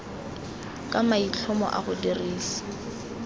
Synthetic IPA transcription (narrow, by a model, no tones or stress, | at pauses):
kʼamait͡ɬʰɔmɔ̰ʔa̰ɣʊderiːsḁ